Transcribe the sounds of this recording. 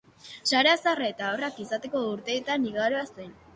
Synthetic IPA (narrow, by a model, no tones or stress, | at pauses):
saɾe̞asaraet̪aorakisat̪e̞ko̞uɾt̪e̞et̪aniɣaɾoasen